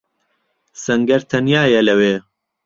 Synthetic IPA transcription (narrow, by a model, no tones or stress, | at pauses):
sɐŋɡɐɾt̪ʰɐnjaːjɐlɐweː